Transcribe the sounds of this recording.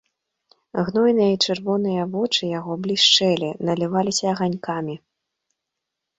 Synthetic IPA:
ɣnɔjnɨjɐit͡ʂɨrvɔnɨjɐvɔt͡ʂɨjaɣɔblʲiʂt͡ʂɛlʲinɐlʲivalʲisʲɐːɣanʲkamʲi

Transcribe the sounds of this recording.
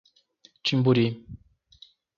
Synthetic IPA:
t͡ʃimbuɾi

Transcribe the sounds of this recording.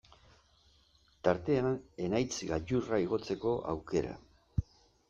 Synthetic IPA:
t̪aɾt̪e̞ane̞najt͡sɡaʎuraiɣ̞o̞t͡se̞ko̞ʔa̰wke̞ɾa̰

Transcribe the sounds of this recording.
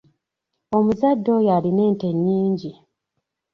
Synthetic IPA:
o̞muzadːo̞jaline̞ːnte̞ɲːiːɲɟi

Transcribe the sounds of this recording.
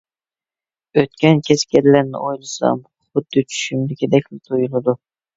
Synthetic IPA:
øt̪̚kʲɛnkʲʰɛskʲɛɾlæɾnɪ̰ʔojlˠɨsɑ̰m | χʊd̪ːɪt͡ʃʰy̥ʃymd̪ɪkʲʰed̪ɛkʲlɪt̪ʰojulˠɨd̪u

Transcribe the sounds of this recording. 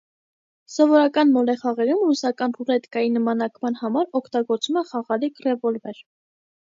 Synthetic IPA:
sɔvɔɾɑkɑnmɔlɛχɑʁɛɾumrusɑkɑnpʰurɛt̪kɑjinəmɑnɑkmɑnhɑmɑɾɔkʰt̪ɑɡɔɾt͡svumɛχɑʁɑlikrɛvɔlvɛɾ

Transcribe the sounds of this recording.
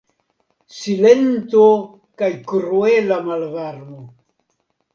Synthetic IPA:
sile̞nt̪o | kajkɾuelamalvaɾmo

